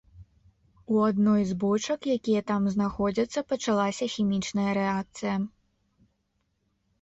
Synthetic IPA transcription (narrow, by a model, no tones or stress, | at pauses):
uɐd̪nɔjzbɔt͡ʃɔkjakʲijɐt̪amznɐxɔd͡zʲɐt̪sːɐpɐt͡ʃɐlˠasʲɐxʲimʲit͡ʃnɐjɐɾɛak̚t̪sɨjɐ